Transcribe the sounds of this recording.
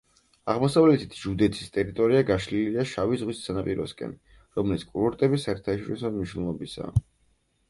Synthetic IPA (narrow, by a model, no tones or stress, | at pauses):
aʁmɔsavlɛt̪ʰi̥t̪ʰʒud̪ɛt̪ʰi̥st̪ʼɛɾit̪ʼɔɾiaɡaʃliliaʃavizʁwissanapʼiɾɔ̰skʼɛ̰ni | ɾɔmlit̪skʼuɾɔɾt̪ʼɛbisaɛɾt̪ʰaʃɔɾisɔmniʃnɛlˠɔbisa̰ː